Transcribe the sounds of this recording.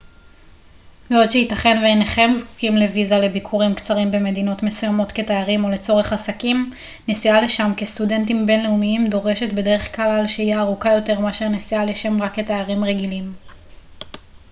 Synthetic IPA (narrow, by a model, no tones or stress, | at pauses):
veodʃeitɐχe̞nveːneχe̞mzku̥kimlevizale̞bikʰuʁimkt͡saʁimbe̞me̞d̪ino̞tme̞sujamo̞t̪ke̞tajaʁimo̞le̞t͡so̞ʁe̞χasakim | nesiale̞ʃamkest̪ude̞ntimbe̞nle̞umiimd̪o̞ʁe̞ʃe̞tbe̞de̞ʁe̞χklalalʃeijaːʁukajo̞te̞ʁmeaʃeʁnisialeʃemʁakːetajaʁimʁeɡilim